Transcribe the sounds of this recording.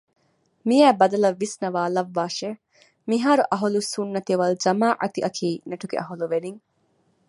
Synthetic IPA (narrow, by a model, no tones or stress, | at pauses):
mijæːbɐd̪ɐlɐʋːisnɐʋaːlɐʋːaːʃe | miɦaːɾuʔɐɦulusunːɐt̪iʋɐld͡ʒɐmaːʔɐ̰t̪iʔɐkʰiːnɐʈuɡḛʔɐɦuluʋeniŋ